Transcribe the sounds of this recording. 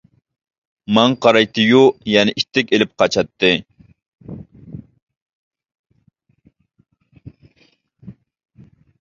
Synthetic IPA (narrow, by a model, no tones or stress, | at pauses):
mɑŋqʰɑɾɑjt̪ɨjujɛnɪʔit̪ːɪkʲelɪp̚qʰɑt͡ʃɑt̪ːɨ